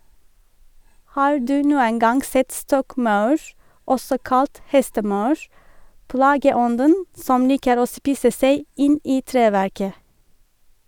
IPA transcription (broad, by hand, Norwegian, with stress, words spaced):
ˈhɑːɹ ˈdʉː ˈnuːən ˈɡɑŋ ˈsɛt ˈstɔkˌmɑʉɹ ˈɔsɔ ˈkɑlt ˈhɛstəˌmɑʉɹ ˈplɑːɡəˌɔndən ˈsɔm ˈliːkəɾ ˈoː ˈspiːsə ˈseɪ ˈɪn ˈʔiː ˈtɹeːˌʋæɹkə